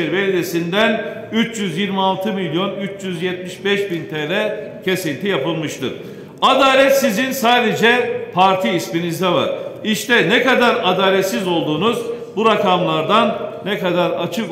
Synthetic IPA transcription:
ɛɾvelʲid̪esind̪ænyt͡ʃjyzjiɾmialˠt̪ʰɯmilʲjo̞nyt͡ʃjyzjɛt̪miʃbɛʃbint̪ʰeːɾɛcʰe̞sinʲt̪ʰijapɯlˠmɯʃt̪ɯ̰ɾ̥ | ad̪aːlʲɛt̪sizinsaːd̪e̞d͡ʒɛpʰaɾt̪ʰiːsminizd̪ɛva̰ɾiʃt̪ɛnɛkad̪aɾad̪aːlʲɛt̪sizo̞lˠd̪uːnuz | buɾakamlˠaɾd̪anː | ɛkad̪aɾa̰t͡ʃʰɯk

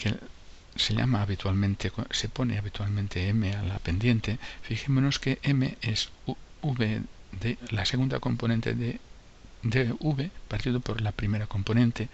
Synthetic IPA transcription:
kḛ | se̞ʎa̰maːβit̪walmẽ̞nt̪ekose̞po̞ne̞̰aβit̪walmẽnt̪e̞eme̞alape̞nd̪je̞nt̪e̞fixemono̞skeʔemḛes | uβeðelase̞ɣund̪a̰ko̞mpo̞nent̪ḛe | d̪euβepaɾt̪iðopo̞ɾlapɾime̞ɾako̞mpo̞nẽ̞nt̪e̞

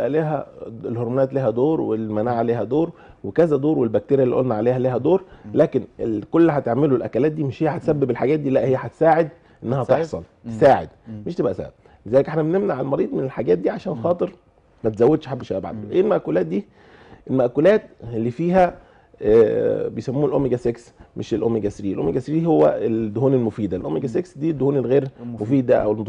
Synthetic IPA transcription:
ebʔæliːɦæ̰elhoɾmonæːt̪liːɦhæd̪oːɾwelmænaːʕaleːɦæd̪oːɾwekæzæd̪oːɾwelbæk̚t̪eːɾjælḭʔo̰lnæʕaleːhæliːɦæd̪oːɾlæːkenelkolːhæt̪eʕmelolʔæ̰kælæːt̪̚d̪iːmeʃhejːæħæt̪esæbːebelħaɡæːt̪̚d̪iːlæʔhejːæħat̪e̥saːʕed̪̚ | ʔenːæhæt̪eħsˤɑlt̪esaːʕḛd̪meʃt̪ebʔæsæ̰bb | lezæːlekʔeħnæbnemnaʕalmɑɾiːd̪ˤmenelħaɡæːt̪̚d̪iːʕaʃæːnxɑːt̪ˤeɾ | mæt̪zæwːæd̪ʃħabːeʃææbaʕ̰d̪oʔeːlmæʔkulæːt̪̚d̪iː | ʔelmæʔkulæːt̪elːiːfiːɦæ | bejsæmːuːelʔomːeɡæseksmʔeʃelʔomːeɡæsɾiːelʔo̰meɡæsɾiːhowːæ̰ed̪ːohuːnelmofiːd̪ælʔomːeɡæseksd̪iːd̪ːohuːnelɣeːɾmofiːd̪æʔæ̰welm

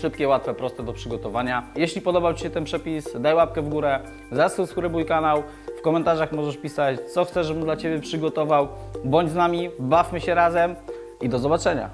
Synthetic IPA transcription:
ʂɘpkʲɛwat̪fɛpɾɔst̪ɛd̪ɔpʂɘɡɔt̪ɔvaɲajeɕlʲipɔd̪ɔbawt͡ɕi̥ɕɛt̪ɛnpʂɛpʲisd̪ajwap̚kɛvɡuɾɛ | zasuwskuɾɛbujkanaw | fkɔmɛnt̪aʐaxmɔʐɛʂpʲisat͡ɕt̪sɔxt̪sɛʐɛbɘnd̪lat͡ɕebʲɛpʂɘɡɔt̪ɔvaw | bɔɲd͡ʑznamʲibafmɘɕɛɾazɛm | id̪ɔzɔbat͡ʂɛɲa̰

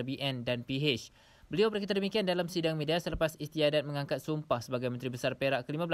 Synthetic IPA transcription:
biʔɛndanpiɦet͡ʃ | bəliawbəɾekit̪ardəmikiandalamsidaŋmidiasələpasist̪iadat̪̚məŋaŋkat̪̚sumpahsəbaɡajmə̃nt̪ɾibəsarpeɾaʔkəlimãbəl

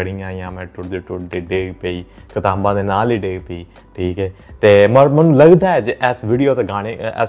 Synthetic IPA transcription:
əɽɪːãːijãːmɛ̃ːʈʊd̪eːʈʊɖeːɖeːɡpeiːkət̪aːbãːd̪eːnaːliːɖeːɡpeiː | ʈʰiːkɦɛːt̪eːmmənũːləɡd̪aːɛːd͡ʒʔɛːsʋiːɖijoːt̪eːɡaːɽeɛ̰

